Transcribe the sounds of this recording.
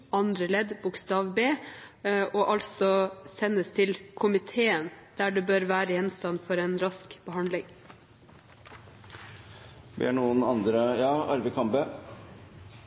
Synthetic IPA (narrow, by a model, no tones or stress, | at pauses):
ɑnd̪ɾəlɛd̪bʊkst̪ɑːʋbeː | ʔoːʔɑlsɔsɛnəst̪ʰɪlkʰʊmɪt̪ʰeːənd̪̥æːɖʉːbøːɾʋæːɾəjɛnst̪ɑnːfɔɾeːnɾɑskb̥əɦɑnd̪lɪŋ | bḛːɳuːənɑnd̪ɾəjɑːɑ̰ɾʋɪkʰɑmbeː